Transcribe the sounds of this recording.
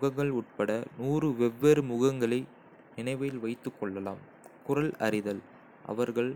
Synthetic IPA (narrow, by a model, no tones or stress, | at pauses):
ɣɐŋɡɐɭʊʈ̚pɐɽɐnuːrɯʋɛʋːeɾɯmʊɣɐŋɡɐɭɐɪ | nɪnɐɪʋɐjɪlʋɐɪt̪ːɯkːɔɭːɐla̰ːm | kʊrɐlɐ̰ɾɪðɐl | ʔɐ̰ʋɐɾɣɐɭ